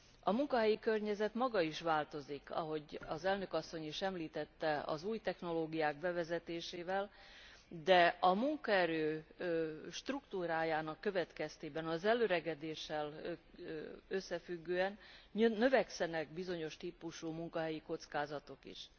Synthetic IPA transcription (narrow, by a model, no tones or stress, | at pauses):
ɒmuŋkɒɦɛjikø̞rɲɛzɛt̪mɒɡɒiʃʋaːlt̪o̞zikɒ̰ɦo̞ɟɒzɛlnø̞kɒsːo̞ɲiʃɛmliːt̪ɛt̪ːɛɒ̰zuːjt̪ɛxno̞loːɡijaːɡ̚bɛvɛzɛt̪eːʃeːvɛl | d̪ɛɒmuŋkɒɛɾøː | ʃt̪rukt̪uːɾaːjaːnɒkːø̞vɛt̪kɛst̪eːbɛnɒzɛlːøːɾɛɡɛd̪eːʃːɛl | øsːɛfyɡːøːɛnnø̞vɛksɛnɛɡbizo̞ɲo̞ʃt̪iːpuʃumuŋkɒɦɛjiko̞t̪skaːzɒt̪o̞kḭʃ